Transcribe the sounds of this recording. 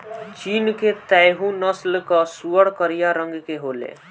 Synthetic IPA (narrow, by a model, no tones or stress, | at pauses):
t͡ʃiːnket̪ɛjɦũnəslkasuəɽkəɾijaɾə̃ŋɡkeɦoːlḛ